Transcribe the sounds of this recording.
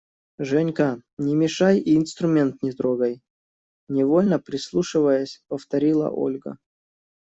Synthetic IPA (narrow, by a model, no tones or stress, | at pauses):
ʐɛnʲkanʲɪmʲɪʂajiːnst̪ɾʊmʲe̞nt̪nʲɪd̪ɾoɡəj | nʲɪvolʲnəpɾʲɪslˠuʂɨvəjəsʲpəft̪ɐɾʲilˠə̰ʔo̰lʲɡə̰